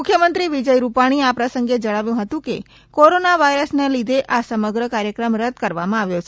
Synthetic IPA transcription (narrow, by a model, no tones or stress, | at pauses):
mʊkʰjəmənt̪ɾiʋid͡ʒəjɾupaɽ̃iapɾəsəŋɡed͡ʒəɽ̃aʋjũɦət̪ũkḛ | koɾonaʋaiɾəsnelid̪ʱeʔʔasəməɡɾəkaɾjəkɾəmɾəd̪kəɾʋamãaʋjot͡ʃʰe